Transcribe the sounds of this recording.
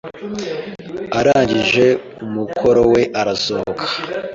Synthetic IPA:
aɾaːɲɟiʒe̞ | umukʰo̞ɾo̞we̞ʔaɾasohokʰḁ

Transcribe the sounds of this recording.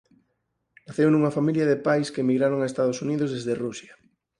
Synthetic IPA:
naθewnuŋafamiljaðepajskemiɣɾaɾoŋaest̪aðosuniðozðezðerusja

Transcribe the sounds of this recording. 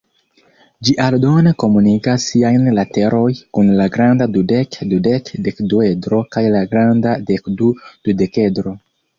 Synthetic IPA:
d͡ʒiʔaldo̞ne̞ko̞munikasːiajnlate̞ɾʔo̞jkunlaɡɾandadudekdudekdekduedɾo̞kajlaɡɾandadekdud̥ude̞ke̞dɾo̞

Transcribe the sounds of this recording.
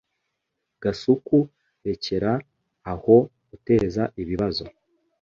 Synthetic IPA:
ɡ̥asuku | ɾe̞ce̞ɾaː | ho̞ | ute̞ːzaʔiβiβazo̞̰

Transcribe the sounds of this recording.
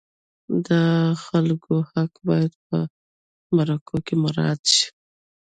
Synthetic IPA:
d̪əxalkohakbɑjad̪̚p̚ə̰ | maɾakʰokemaɾɑ̰d̪ʃi̥

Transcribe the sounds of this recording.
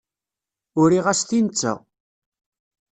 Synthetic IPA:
ʊɾiʁæsθint͡sːæ̰

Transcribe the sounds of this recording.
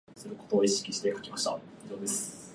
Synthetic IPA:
sɨɾɯ̟ko̞t̪o̞ːiɕi̥kʲiɕi̥t̪e̞kakʲimaɕit̪a̰ | id͡ʑo̞ːd̪esɨ̥

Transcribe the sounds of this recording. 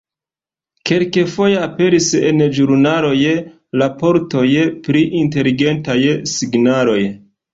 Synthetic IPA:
ke̞lke̞fo̞je̞ape̞ɾise̞̰nd͡ʒuɾnalo̞j | lapo̞ɾto̞jpɾiʔinte̞liɡe̞ntajsiɡnalo̞j

